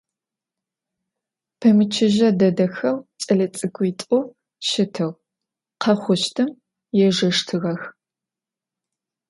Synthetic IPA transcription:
pʰɐmɨt͡ʃʰɪʒɐdɐdɐxɐwt͡sʼɐɮɐt͡sʼɨɡʷʼitʼʊ | ʃɪtʰɨʁ | qʰɐχʷʊʃtʰɨm | jɛʒɐʂtʰɨɣɐx

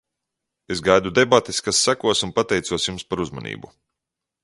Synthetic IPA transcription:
ezɡajd̪ud̪ebat̪eskasːakuɔsunpat̪ɛjt̪suɔsjumspaɾuzmanḭːbu

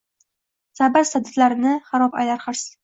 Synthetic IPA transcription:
sabaɾsad̪at̪laɾɪnɪχaɾɒpa̰jlaɾχɨɾs

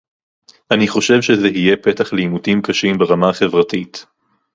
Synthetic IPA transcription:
ʔaniχo̞ʃe̞vʃezeɦije̞pe̞taχliimutimkaʃimbeʁamaχe̞vʁatit

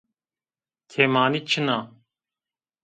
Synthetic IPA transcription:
t̪ʰeːmaːnit͡ɕʰənaː

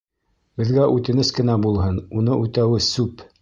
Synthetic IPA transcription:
bɘ̆ðɡæʔʉt̪ɘ̆nɘskɘ̆næbulˠɦɤnunɤʔʉt̪æwɘsʉp

